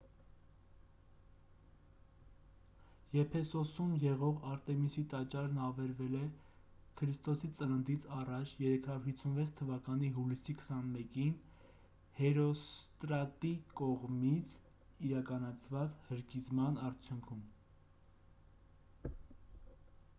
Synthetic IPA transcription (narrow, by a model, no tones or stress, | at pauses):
jɛpʰɛsɔsumjɛʁɔʁɑɾt̪ɛmisit̪ɑt͡ʃɑɾnɑvɛɾvɛlɛ | kʰəɾist̪ɔsit͡sələnd̪it͡sʰɑrɑt͡ʃʰjɛɾɛkʰɑjuɾhit͡sʰːunvɛt͡sʰt̪ʰːəvɑkɑn̪iɦulisikʰə̥sɑnmɛkin | hɛɾɔst̪ɾɑt̪ikɔʁmit͡sʰ | iɾɑkɑnɑt͡sʰvɑt͡shəɾkizmɑnɑɾt͡sʰjuŋkʰum